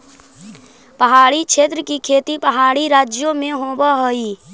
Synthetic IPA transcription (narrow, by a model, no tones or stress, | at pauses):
pəɦaːɽikʃeːt̪ɾəkikʰeːt̪ipəɦaːɽiɾaːd͡ʒjomẽɦoːbaɦoiː